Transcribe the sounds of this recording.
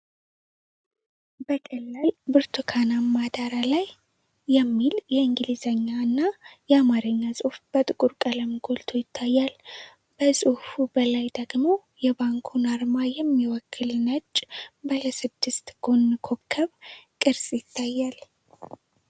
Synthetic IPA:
bəkʼəlːalbɨɾt̪ʰukʰanamːad̪aɾalajː | ɛmːiljɛɨŋɡɨlizəɲːaɨnːajɛamaɾɨɲːasʼufb̥ət̪ʼɨkʼuɾkʼələmɡolt̪ʰojɪt̪ʰːajːal | b̥əsʼufubəlajd̪əɡmo | jɛbaŋkʰunaɾmajɛmːiwɔkʰːɨlnət͡ʃʼːbələsɨd̪ːɨst̪ɡ̥o̞nːɨkʰo̞kʰːəβkʼɨɾsʼjɪt̪ʰːajːal

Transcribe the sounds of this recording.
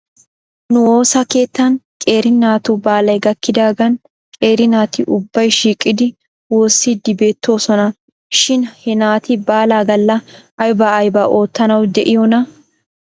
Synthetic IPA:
nʊoːsɐke̞ːt̪ːɐnkʼe̞ːɾɪnaːt̪ʊbaːlɐjɡɐkːɪd̪aːɡɐn | kʼe̞ːɾɪnaːt̪ɪʔʊbːɐjʃiːkʼːɪd̪ɪ | woːsːid̪ɪbe̞ːt̪ːo̞ːsɔnɐ | ʃɪnhɛnaːt̪ɪbaːlaːɡɐlːɐːjbɐːjbɐʔo̞ːt̪ːɐnɐwd̪ɛʔɪjɔnɐ

